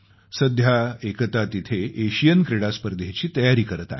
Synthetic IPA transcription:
səd̪ʱjaekət̪at̪it̪ʰeʔeɕijənkɾeɽaspəɾd̪et͡ɕiːt̪əjaɾiːkəɾət̪a̰

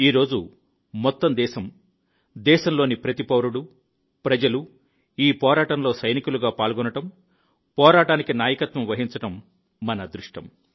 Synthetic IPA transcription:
iːɾo̞ːd͡ʒu | mɔt̪ːɐmd̪ɛːʃɐm | d̪ɛːʃɐmlo̞ːnipɾɐt̪ipɐwɾuɽu | pɾɐd͡ʒɐlu | iːpɔːɾaːʈɐnlo̞ːsɐjnikuluɡaːpaːlɡɔnɐʈɐm | pɔːɾaːʈaːnikinaːjɐkɐt̪ʋɐmʋɐɦiɲt͡ʃɐʈɐmː | ɐnɐd̪ɾuʂʈɐm

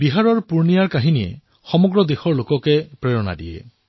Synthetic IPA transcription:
biɦaɹɔɹpuɹnijaɹkaɦinijḛ | xɔmɔɡɹɔd̪exɔɹlokɔkepɹeɹɔna̰diḛ

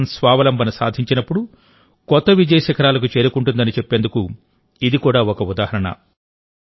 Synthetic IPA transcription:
nsʋaːʋɐlɐmbʱɐnusa̰ːd̪ʱiɲt͡ʃinɐpːuɽu | kɔt̪ːɐʋid͡ʒɐjɐʃɐkɐɾaːlɐk̬ut͡ʃe̞ːɾukuɳʈund̪ɐnit͡ʃepːe̞ːnd̪uku | id̪ikuːɽaːɔkɐud̪aːhɐɾɐɳɐ̰

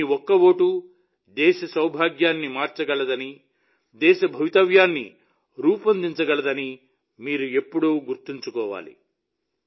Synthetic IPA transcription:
iɔkːɐwoːʈu | d̪ɛːʃɐsɐwbʱaːɡjaːnːimaːɾt͡ʃɐɡɐɭɐd̪ɐni | d̪ɛːʃɐbʱɐʋit̪ɐʋjaːnːḭ | ɾuːpɐnd̪iɲt͡ʃɐɡɐɭɐd̪ɐni | miːɾue̞pːuɽuːɡuɾt̪iɲt͡ʃukɔːʋa̰ːlḭ

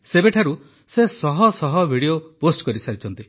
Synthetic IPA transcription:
sebeʈʰaɾu | sesɔɦɔsɔɦɔbʱiɽioposʈkɔɾisaɾit͡ʃʰɔnt̪i

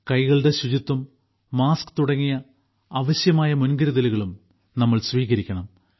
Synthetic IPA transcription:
kɐjɣɐɭɖe̞ɕud͡ʑit̪ːɐmː | aːskɨ̥t̪uɽɐŋːijɐ | ɐʋɐɕjɐmaːjɐmunɡɐɾɐðɐluɣɐɭum | nɐmːɐɭsʋiːɣɐɾikʲːɐɳɐm

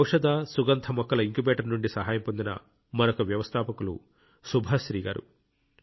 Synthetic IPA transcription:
wʂɐd̪aːsuɡɐnt̪ʰɐmɔkːɐlɐiŋkubɛːʈɐɾnuɳɖisɐɦaːjɐmpond̪inɐ̰ | mɐnɐkuʋjɐʋɐst̪ʰaːpɐkulṵ | subʱɐʃɾiːɡa̰ːɾṵ

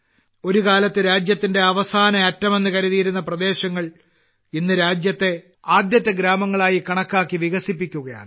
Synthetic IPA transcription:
o̞ɾukaːlɐt̪ːɨɾaːd͡ʑjɐt̪ːinde̞ɐʋɐsaːnɐɐtːɐme̞nːɨkɐɾɐðijiɾunːɐprɐd̪e̞ːɕɐŋːɐɭ | inːɨɾaːd͡ʑjɐt̪ːe̞ | aːd̪jɐt̪ːɐɡɾaːmɐŋːɐɭaːjikɐɳɐkːaːkːiʋiɣɐsipːikʲːuɣɐja̰ːɳɨ

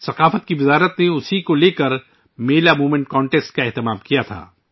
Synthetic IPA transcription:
sɐqaːfət̪̚kiʋɪzaːɾət̪neʊsikoleːkɐɾ | meːlamuːmẽɳʈkɔ̃ːɳʈeːsʈ̚kaɛɦt̪ɪmaːmkijat̪ʰa̰ː

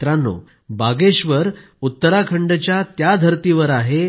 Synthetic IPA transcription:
t̪ɾanːo̰ | baɡeɕʋəɾ | ut̪ːəɾakʰəɳɖt͡ɕjat̪jad̪ʱəɾt̪iʋəɾaɦe

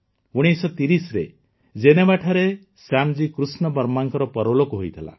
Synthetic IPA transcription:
uɽ̃isɔt̪iɾisɾe | d͡ʒenebaʈʰaɾe | samd͡ʒikɾusnɔbɔɾmaŋkɔɾɔpɔɾolokɔɦojt̪ʰila̰

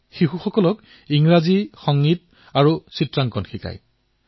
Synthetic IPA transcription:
xixuxɔkɔlɔk | iŋɹazixɔŋːit̚ | aɹusitɹaŋkɔnxika̰j

